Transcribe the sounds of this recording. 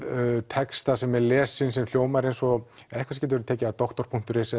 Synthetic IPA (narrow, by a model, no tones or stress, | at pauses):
t̪ʰɛkst̪asɛmɛlɛːsːɪns̬ɛmfjoːwmaɾejnsɔɛhkʰvascɛt̪vɛɾʏt̪ʰɛːcɪat̪ɔht̪ɔɾpʰuŋ̥t̪ʏɾɪsɛ